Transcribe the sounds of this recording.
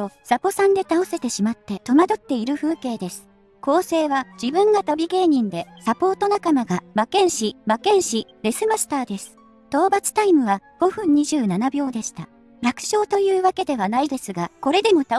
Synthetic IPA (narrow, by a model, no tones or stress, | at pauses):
osapo̞sãnd̪e̞t̪aose̞t̪e̞ɕimat̪ːe̞t̪o̞mad̪o̞t̪ːe̞iɾɯ̟ɸɯ̟ːke̞ːd̪e̞sɨ̥ | ko̞ːse̞ːβad͡ʑibɯ̟̃ŋɡat̪obʲiɡe̞ːɲ̟ĩnd̪e̞sapo̞ːt̪o̞nakamaɡamakẽ̞ɰ̃ɕimakẽ̞ɰ̃ɕiɾesɨmasɨ̥t̪aːd̪e̞sɨ̥ | t̪o̞ːbat͡sɨ̥t̪aimɯ̟βaɡ̥o̞ɸɯ̟̃ɲ̟ɲ̟iʑɨːnanabʲo̞ːd̪e̞ɕi̥t̪a | ɾakɯ̥ɕo̞ːt̪o̞jɯ̟ːβake̞d̪e̞βanaid̪e̞sɨɡako̞ɾe̞d̪e̞mo̞t̪a